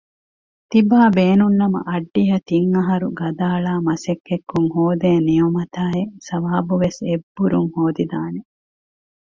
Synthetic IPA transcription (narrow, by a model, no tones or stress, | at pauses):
t̪ibaːbeːnunːɐmɐ̰ʔɐɖːiɦɐt̪iŋːɐɦɐɾuɡɐd̪aːɭaːmɐsekːekːuŋhoːd̪eːnijomɐt̪aːesɐʋaːbuʋesebːuɾuŋhoːd̪id̪aːne